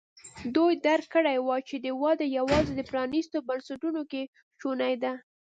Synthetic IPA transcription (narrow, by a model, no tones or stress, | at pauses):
d̪ojd̪aɾkːəɽajwɑt͡ʃed̪əwɑd̪əjawɑzed̪əpɾɑnist̪obansaʈunoke | ʃonajd̪a